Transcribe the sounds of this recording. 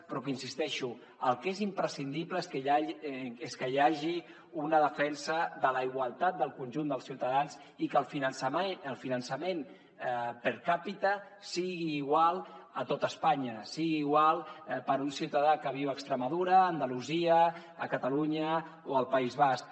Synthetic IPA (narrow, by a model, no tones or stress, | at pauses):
pɾɔkinsist̪ɛʃu | əlˠkezimpɾəsind̪ipləeskəaeskəjaʒi | unəð̞əfɛnsəðələiɣwalˠt̪at̪̚d̪əlˠkunʲʒund̪əlˠsiwt̪aðanz | ikəlˠfinənsəmeəlˠfinənsəmen | pəɾkapit̪ə | siɣiːɣwalˠət̪ot̪əspaɲəsiɣiːɣwalˠpəɾunsiwt̪aðakəβ̞iwəkst̪ɾəmaðuɾəːnd̪əluziəː | kət̪aluɲə | oəlˠpaizβask̚